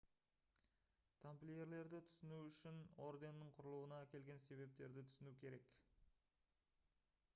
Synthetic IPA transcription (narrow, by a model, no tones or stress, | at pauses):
t̪ʰamplʲeje̞ɾle̞ɾd̪ɪt̪ʰʏ̥sɪnuʏʃɪno̞ɾd̪e̞nːəɴqʰʊɾəlˠuwənɑkʲe̞lɡʲense̞βe̞p̚t̪e̞ɾd̪ɪt̪ʰʏ̥sɪnukʲʰe̞ɾe̞k